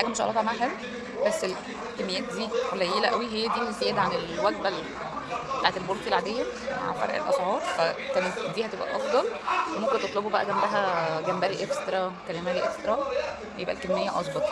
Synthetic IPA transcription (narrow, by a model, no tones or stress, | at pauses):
æɡæmeʃʔɑ̰lɑt̪ːʕmæħæl | bæsːel | kemːejæːt̪̚d̪iːolːæjilæʔæwiɦejːæd̪iːmet̪jæd̪ʕanelwæɡbæl | t̪aʕet̪elboɾˤt̪ilʕd̪eːhæma̰ʕfɑ̰ɾˤʔḛlʔɑ̰sʕɑːɾˤfækæːnet̪d̪iːhæt̪ebʔæ̰ʔɑfd̪ˤɑlwemomkent̪et̪ˤlebobæʔæɡæmbæɦæɡæmbæɾiʔekst̪ɾˤɑkælemæɾiʔekst̪ɾˤɑ | æjebʔæ̰lkemːejːæʔɑsˤbɑt̪ˤɑ